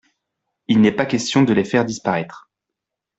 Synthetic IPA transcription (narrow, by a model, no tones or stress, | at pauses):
ilnɛpakʲɛst̪jɔ̃d̪əlefɛʁd̪ispaʁɛt̪χ